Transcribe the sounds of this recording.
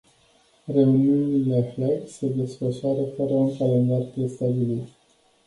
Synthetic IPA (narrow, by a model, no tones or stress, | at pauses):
re̞uniuniileaflarse̞d̪e̞sfəʃoaɾəfəɾəuŋkalend̪arp̪ɾe̞st̪abilit̪